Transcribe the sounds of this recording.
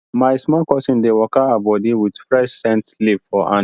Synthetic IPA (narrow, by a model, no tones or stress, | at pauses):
maɪsmɔkɔsĩndewɔkaabɔdiwidfɾɛʃsɛ̃ntslipfɔʔã̰